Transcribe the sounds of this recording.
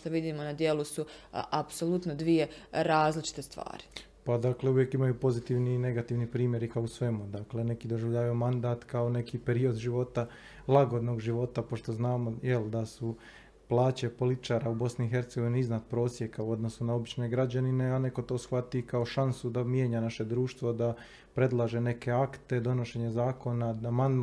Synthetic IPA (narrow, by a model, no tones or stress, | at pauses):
t̪oʋid̪iːmonad̪je̞lusuʔapso̞lˠut̪nod̪ʋije̞ɾaːzlit͡ʃi̥t̪e̞st̪ʋa̰ːɾi̥ | pad̪akle̞uʋjekimajupo̞zit̪iːʋnine̞ɡat̪iʋnipɾiːmje̞ɾikaousʋe̞mud̪akle̞ne̞kid̪o̞ʒiʋʎaːʋajomand̪aːt̪kaone̞kipe̞ɾio̞d̪ʒiʋo̞t̪a | lˠaɡo̞d̪no̞ːɡʒiʋo̞t̪apo̞ʃt̪o̞znaːmojeld̪asu | plˠaːt͡ɕe̞po̞lit̪i̥t͡ʃaːɾaubo̞sniːxe̞ɾt̪seɡo̞ʋiniiznat̪̚pɾo̞ːsje̞kauo̞d̪no̞sunao̞bit͡ɕne̞ɡɾad͡ʑanine̞ane̞ko̞t̪o̞ːsxʋat̪ikao̞ʃansud̪amjeɲanaʃe̞d̪ɾuːʃt̪ʋo̞d̪a | pɾe̞d̪lˠaːʒe̞ne̞ke̞akt̪e̞d̪o̞noʃe̞ɲezaːko̞naaman